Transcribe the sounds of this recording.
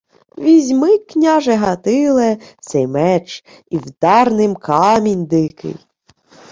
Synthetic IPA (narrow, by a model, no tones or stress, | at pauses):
ʋʲizʲmɪknʲaʒɛɦɐt̪ɪlˠɛsɛjmɛt͡ʃ | iwd̪ɑrnɪmkɑmʲinʲd̪ɪkɪ̰j